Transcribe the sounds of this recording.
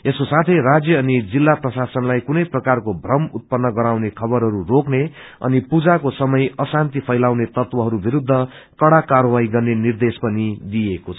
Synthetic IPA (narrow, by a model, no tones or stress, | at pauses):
eskosat̪ʰʌjrad͡zjʌːnid͡zilːaprʌsasʌnlajkunʌjprʌkarkobʱrʌmut̪̚pʌnːʌɡʌɾawnekʰʌbʌɾɦʌɾurokne | ʌ̰nipud͡zakosʌmʌjʌsant̪ipʰʌjlawnet̪ʌt̪wʌɦʌɾubiɾud̪ʱːʌkʌɽakaɾwajɡʌrnenird̪espʌnid̪iekot͡sʰʌʌ